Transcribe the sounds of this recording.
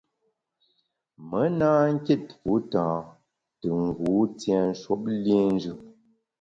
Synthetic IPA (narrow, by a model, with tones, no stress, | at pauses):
mə˨˦naː˦ŋ̩˦ke˦˨tfu˨˦tãː˨ | tə˨ŋ̩˨ɡuː˨˦tjɛ˨n̩˦ʃwo˦p̚le˦n˦d͡ʒʉ˦˨